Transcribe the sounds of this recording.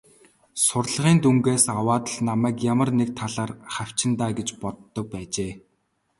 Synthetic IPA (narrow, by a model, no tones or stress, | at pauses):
sʊrɮə̆ʁiːnt̪uŋɡeːsawaːt̪ə̆ɮnamæːkjamə̆rnek̚t̪ʰaɮaːrχaw̥ʲt͡ɕɪ̆nt̪aːɡet͡ɕpɔt̪ːɞ̆k̚pæːt͡ɕeː